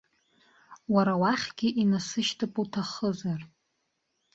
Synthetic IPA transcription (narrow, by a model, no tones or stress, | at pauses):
waɾawaχʲɡ̥ʲɪʔinasɨʃtʰapʼutʰaχəzar